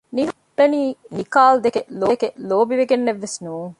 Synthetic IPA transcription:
niɦub̥ːeniːnikaːld̪ekelokeloːbiʋeɡenːeʋːesnuːŋ

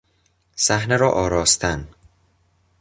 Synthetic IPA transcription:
sæhneɾɒːʔɒːɾɒːst̪ʰæn

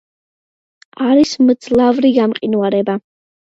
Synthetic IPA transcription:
aɾismd̪zlˠavɾiɡamqʼinuaɾɛba

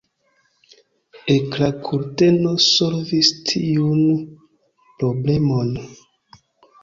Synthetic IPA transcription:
eklakʰuɾtenosolvistʰiun | pɾoble̞mon

